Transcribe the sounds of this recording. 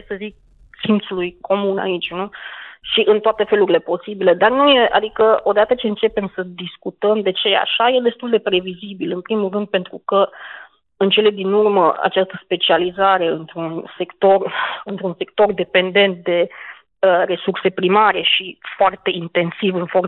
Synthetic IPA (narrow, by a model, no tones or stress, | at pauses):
esəzik̚ | sint̪sulujkʰo̞muna̰it͡ʃʲnuʃiʔɨnt̪oat̪e̞fe̞luɾile̞po̞sibile̞d̪arnuje̞ʔa̰d̪ikəo̞d̪at̪ət͡ʃe̞ɨnt͡ʃe̞pe̞msəd̪iskut̪əmd̪e̞t͡ʃe̞a̰ʃaje̞d̪e̞st̪uld̪e̞pɾe̞vizibilɨnpɾimulrɨnd̪̚pe̞nt̪ɾukə | ɨnt͡ʃe̞le̞d̪inurməʔa̰t͡ʃast̪əspe̞t͡ʃializaɾe̞ɨnt̪ɾunse̞kt̪o̞rɨnt̪ɾunse̞k̚t̪o̞rd̪e̞pe̞nd̪e̞nt̪̚d̪e̞ | əre̞surse̞pɾimaɾe̞ʃifoart̪e̞int̪e̞nsivɨnfo̞r